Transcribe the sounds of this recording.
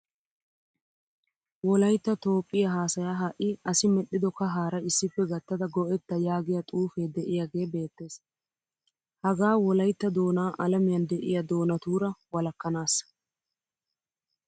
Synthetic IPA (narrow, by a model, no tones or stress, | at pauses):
wɔlɐjt̪ːɐt̪o̞ːpʼːɪjɐɦaːsɐjaːɦɐʔɪɐsɪmɛɗɪd̪ɔkɐɦaːɾɐɪsːɪpːɛɡɐt̪ːɐd̪ɐɡɔʔɛt̪ːɐjaːɡɪjɐt̪ʼuːfeːd̪ɛʔɪjaɡe̞ːbe̞ːt̪ːe̞ːs | hɐɡaːwɔlɐjt̪ːɐd̪o̞ːnaːʔɐlɐmɪjɐnd̪ɛʔɪjɐd̪o̞ːnɐt̪uːɾɐwɐlɐkːɐnaːsːɐ̥